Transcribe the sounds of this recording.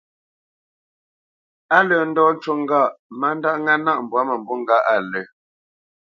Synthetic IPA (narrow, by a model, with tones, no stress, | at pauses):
a˦lə˨n̩˦dɔː˦n̩˦t͡ʃo˦˨ŋ̩˦ɡa˦˨ʔma˨˦n˦da˦ʔŋa˦na˦ʔm̩˨bwa˨˦mə˨mbɔ˦ŋ̩˦ɡa˦ʔa˨lə˨